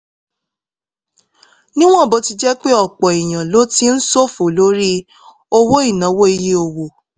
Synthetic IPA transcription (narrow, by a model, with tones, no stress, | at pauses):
nĩ˦w̃ɔ̃˦˨bo˧˦ti˧d͡ʒɛ˦k͡pe˦ɔ˦˨k͡pɔ˨i˨j̃ã˨lo˦ti˧˦n̩˦so˦˨fo˨lo˦ɾi˦ | o˦wo˦i˦˨nã˨˦wo˦i˧ji˦o˧wo˨